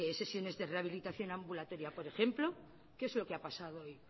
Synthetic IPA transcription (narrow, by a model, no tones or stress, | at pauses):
ese̞sjo̞ne̞zðe̞reaβ̞ilit̪aθjo̞nãmbulat̪o̞ɾjapo̞ɾe̞xe̞mplo̞ | keezlo̞keapasaðooj